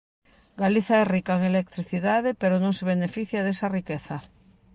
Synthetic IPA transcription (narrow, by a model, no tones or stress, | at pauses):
ɡaliθaɛrikaeŋelek̚t̪ɾiθiðaðepeɾonõŋseβ̞enefiθjað̞esarikeθa